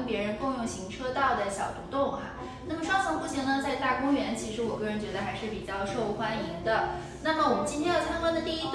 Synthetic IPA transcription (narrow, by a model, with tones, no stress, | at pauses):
pjɛ˧˥ɻə˧˥nkʊ˥˧ŋjʊ˥˩ʊɕi˧˥ŋʈ͡ʂʰɤ˥t̪ɑ˥˩ʊd̪ə˩ɕjɑ˨˩ʊt̪u˧˥t̪ʊ˥˩ŋa̰˨˩ | na˥˩mə˩ʂwɑ˥˧ŋsʰɑ˧˥ŋpu˥˩ɕjɛ˧˥ŋnə˧t͡sa˥˧ɪt̪a˥˩kʊ˥ŋɥɛ˧˥nt͡ɕʰi˧˥ʂɻ̩˧˥wɔ˨˩kɤ˥˩ɻə˧˥nt͡ɕɥɛ˧˥d̪ə˧xa˧˥ɪʂɻ̩˥˩pi˨˩t͡ɕjɑ˥˧ʊʂo˥˩ʊxwa˥ni˧˥ŋd̪ə˧ | na˥˩mə˩wɔ˨˩mə˦nt͡ɕi˥nt̪ʰjɛ˥jo˨˩t̪ʰa˥nkwa˥nd̪ə˨t̪i˥˧i˥t̪